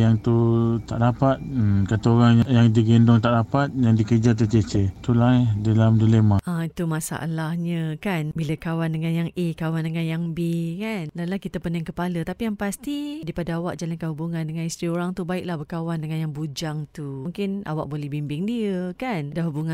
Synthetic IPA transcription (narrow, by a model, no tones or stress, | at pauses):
jaŋt̪ut̪aʔdapat̪̚kat̪aoɾaŋjajaŋdiɡendɔŋt̪aʔdapat̪̚jaŋdikəd͡ʒat̪ət͡ʃət͡ʃet̪ulaɛdalamdulemaait̪umasa̰ʔa̰lahɲə̃kanbiləkawandəŋanjaŋʔekawandəŋanjaŋbekanlaulahkit̪əpənaŋkəpalət̪apijaŋpast̪idapadaawaʔ̚d͡ʒalankaɦubuŋãndəŋanist̪ɾioɾaŋt̪ubaɪʔlahbəkawandəŋanjaŋbud͡ʒaŋt̪uuŋkɪna̰waʔ̚bolɛhbimbɪŋdiəkandaɦubuŋa